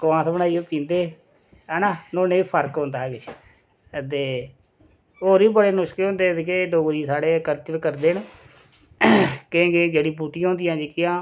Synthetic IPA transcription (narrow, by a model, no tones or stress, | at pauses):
kʋãːt̪bənaːiːoːpĩːnd̪eː | ɛːnaːnõːneːipʰəɾkɦõːnd̪aːɡet͡ʃʰ | t̪eː | oːɾiːbəɽeːnʊʃkeːɦõːnd̪eːt̪ekeɖoːɡɾiːsaːɽeːkəɾt͡ʃəlkəɾd̪eːn | keɡeːd͡ʒeːɽiːbuːʈijãɦõːnd̪ijãːd͡ʒiːkɪjãː